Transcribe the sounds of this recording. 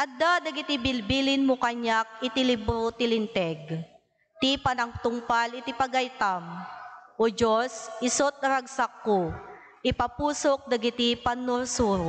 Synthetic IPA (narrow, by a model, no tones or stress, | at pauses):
ʔɐd̪ad̪ɐɡɪt̪ɪbɪlbilɪnmokaɲak̚ɪt̪ɪlɪbɾot̪ɪlɪnt̪ɛɡ | t̪ipanɐŋt̪ʊŋpalɪt̪ɪpɐɡajt̪amʔod͡ʒosɪsot̪̚nɐɾɐɡsakːo | ʔɪpɐpuːsok̚d̪ɐɡɪt̪ipanːʊɾsuːɾo